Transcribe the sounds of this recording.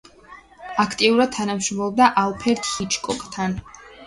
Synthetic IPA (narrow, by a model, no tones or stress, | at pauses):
akʰt̪ʼiuɾad̪̚t̪ʰanamʃɾɔmlɔb̚d̪aʔalˠpʰɛɾt̪ʰhit͡ʃʰʼkʼɔkʼt̪ʰan